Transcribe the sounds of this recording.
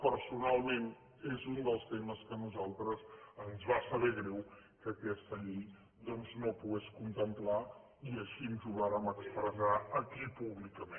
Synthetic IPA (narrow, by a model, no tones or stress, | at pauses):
pəɾsunalˠmen | ezund̪əlˠst̪eməskənuzalˠt̪ɾəzənzβasəβɛɣɾɛw | kəkɛst̪əʎi | d̪ɔnznopuɣɛskunt̪əmpla | iəʃiənʒuɣaɾəməkspɾəzaəkipuβlikəmẽ